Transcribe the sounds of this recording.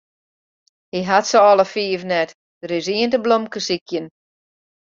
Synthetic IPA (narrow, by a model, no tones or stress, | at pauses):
hiɦatsəɔləfiːəvnɛt | d̥əɾɪsiəntəblomkəsikʰjən